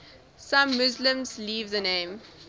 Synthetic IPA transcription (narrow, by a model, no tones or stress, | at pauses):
sãmːʊzlə̃mzliːvðənẽːm